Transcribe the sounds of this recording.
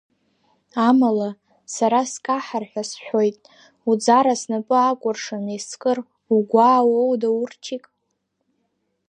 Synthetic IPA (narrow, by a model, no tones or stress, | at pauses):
amala | saɾaskʼaħarħʷᶣasħʷᶣo̞jtʼ | ud͡zaɾasnapʼɨakʷʼʊrʂaneskʼɨr | uɡʷaːwowdaurt͡ʃʰikʼ